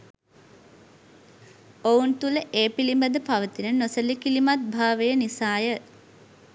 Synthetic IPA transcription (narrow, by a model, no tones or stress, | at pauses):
ount̪uləʔeːpilimbəd̪əpaʋət̪inənosəlikilimat̪̚bʱaːʋejənisaːjə